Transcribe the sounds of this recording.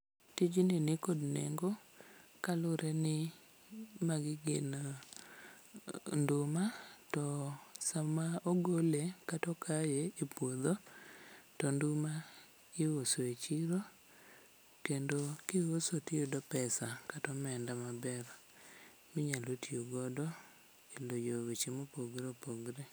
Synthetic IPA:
tɪd͡ʒnɪnɪkodnḛŋɡo | kalʊɾʔɛnɪ | maɡɪɡɪn | ndʊmatɔsamaoɡolekatɔkʰajeepwod̪o | tɔndʊma | ɪwosoet͡ʃiɾo | kendokɪwosotiodɔpɛsakatɔmɛndamabɛɾ | mɪɲalotioɡɔdɔ | elojowet͡ʃemopoɡɾepoɡɾe

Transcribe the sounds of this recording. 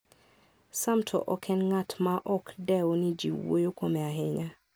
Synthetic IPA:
samtʰɔ̰ʔɔkʰɛnŋatmaʔɔkdɛwonid͡ʒḭwo̰jokomɛaɦeɲa

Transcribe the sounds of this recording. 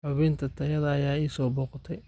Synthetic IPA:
ħʊβɪːnt̪ʰɐt̪ʰɐjɐðɐːjaːiːsɔːbɔːqt̪ʰɛj

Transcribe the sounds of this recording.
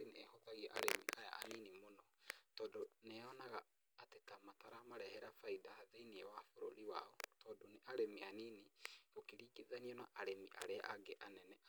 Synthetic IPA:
ineɛhotaɣiɛʔa̰ɾemḭʔaja̰ʔa̰ninimonɔtɔːdonɛɔnaɣaː | tetamataɾamaɾɛhɛɾafaidahaðeiniɛwafoɾo̰ɾiwaɔtɔːdoneʔaɾemianineokiɾiːkiðaniɔnaʔaɾemiʔa̰ɾea̰ʔaɡeʔanɛnɛ

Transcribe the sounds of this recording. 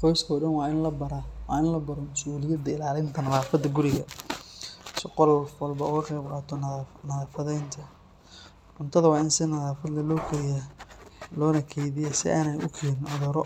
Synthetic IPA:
qɔjskʰɐɖɐnwɑːnlɐbɐɾɐwɑːɪnlɐbɐɾɔmʊsuːlɪjɐd̪ɐɪlaːlɪnt̪ʰɐnɐðaːfɐd̪ɐɡʊɾɪɣɐ | sɪqɔlɔfwɐlbɐʊɣɐqɛjbqɑːt̪ʰɔnnɐðaːfɐðɛjnt̪ʰɐ | ʔʊnt̪ʰɐðɐwɑːɪnsɪnɐðaːfɐd̪lɐlɔːkʰɐɾɪja | lɔːnɐkʰɛjðɪjɛsɪ̰ʔaːnɛjʊkʰɛːnɪnʔɔðɔːɾɔ

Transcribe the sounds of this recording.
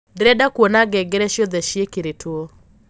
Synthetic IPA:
dɾɛdakwonaɡɛɡɪɾɛʃjod̪ɛʃjekiɾetʰwo

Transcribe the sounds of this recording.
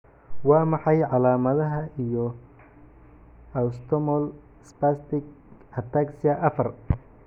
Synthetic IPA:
wɑːmɑħɑjʕɑlaːmɐðɐɦɐijɔ | ɐst̪ʰɔmɔl | spast̪ɪɡɐt̪ʰaːksɪɐʔɐfɐr

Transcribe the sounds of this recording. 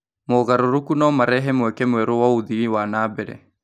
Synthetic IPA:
moɣaɾoɾukunɔmaɾɛɦɛmwɛkɛmwɛɾowauðiiwanaːbɛɾɛ̰

